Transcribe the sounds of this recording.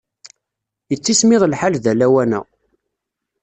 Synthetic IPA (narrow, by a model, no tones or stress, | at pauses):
jət͡sːismɪðˤlħalðælæwænæ̰